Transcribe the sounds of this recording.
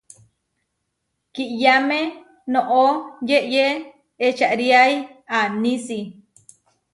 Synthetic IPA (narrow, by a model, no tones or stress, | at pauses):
kiʔjamẽ | nõʔojeʔjeː | t͡ʃaʔɾiajanĩsi